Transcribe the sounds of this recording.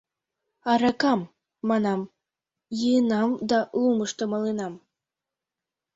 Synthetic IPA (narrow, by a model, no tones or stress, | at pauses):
ɑɾɑkɑmː | ɑnɑm | jɯnɑmd̪ɑlˠumɤʃt̪ɤ̆mɤlˠenɑm